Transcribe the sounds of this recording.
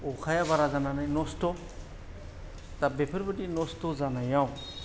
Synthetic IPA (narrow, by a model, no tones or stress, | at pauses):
ɔkʰajabaɾazananajnɔstɔ | tabepʰɯɾbɯtinɔstɔzanajaw